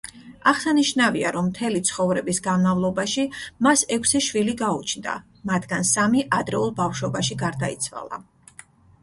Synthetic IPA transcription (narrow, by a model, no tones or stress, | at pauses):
aχsaniʃnaviaɾɔmːt̪ʰɛlit̪sʰχɔvɾɛbisɡanmavlˠɔbaʃimasɛkʰsɛʃwiliɡaut͡ʃʰnd̪a̰ | mat̪ʰɡansamiʔad̪ɾɛulˠbafʃɔbaʃiɡaɾd̪aḭt̪sʰva̰lˠa̰